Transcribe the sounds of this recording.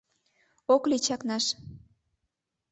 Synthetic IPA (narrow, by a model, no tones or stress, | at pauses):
oklit͡ɕɑknɑʃ